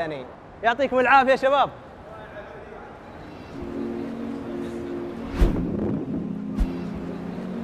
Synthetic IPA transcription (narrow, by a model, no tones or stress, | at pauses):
aniːn | jʊʕt̪ˤiːkʊmɪlʕaːfijaʃabaːb̚